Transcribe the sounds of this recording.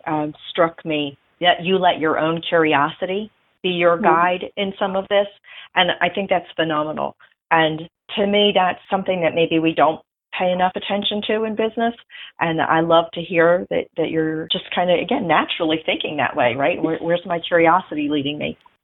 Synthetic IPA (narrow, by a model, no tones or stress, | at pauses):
ʔʌ̃mstɹ̥ʌkmi | ðɨt͡ʃɨlɛt͡ʃə˞ʔõ̰ʊ̃nkʰj̥ʊɹiɑsɨɾi | b̥ijə˞ɡaɪɾɪ̃nsʌ̃mʌvðɪsʔɨ̃naɪθɪ̃ŋk̚ðætsfɨnɑmənl̩ˠ | ʔɨ̃ntʰɨmiðætsʌ̃mθɪ̃ŋðɨt̚meɪbiwidõʊ̃n | pʰeɪɨnʌfɨtʰɛ̃nʃɨ̃ntʰʉɨ̃nbɪznɨsʔɨ̃na̰ɪlʌv̥tʰɨhiɹðɨ̰ʔ̚ðɨt͡ʃə˞d͡ʒʌskʰãɪ̃ndɨɨɡɛ̃nːæt͡ʃɹl̩ˠiθɪ̃ŋkɪ̃ŋðɨ̰ʔweɪɹaɪt̚wə˞wə˞zmaɪkʰj̥ʊɹiɑsɨɾiliɾɪ̃ŋmḭ